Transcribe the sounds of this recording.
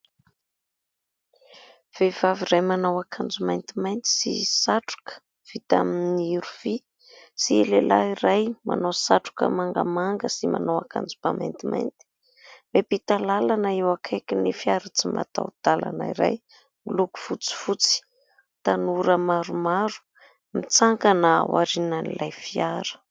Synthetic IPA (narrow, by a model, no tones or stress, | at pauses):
v̥ev̥aviɾajmanawakʰand͡zumajnt̪imajnt̪i̥sḭsaʈ͡ʂu̥kə̥ | v̥it̪a̰minniiɾuvi | sielelʔaiɾajma̰nowsaʈ͡ʂu̥kə̰maŋɡə̰maŋɡəsima̰nawakʰa̰nd͡zubama̰jnt̪imʔa̰jnt̪i̥ | mepit̪alalanəewakʰajkinifiaɾat͡sima̰t̪a̰wd̪̥ala̰naiɾa̰j | miluku̥fut͡si̥fut͡si̥ | t̪anuɾəmaɾumaɾu̥ | mit͡saŋkanəwa̰ɾinənilʔajfiaɾə̥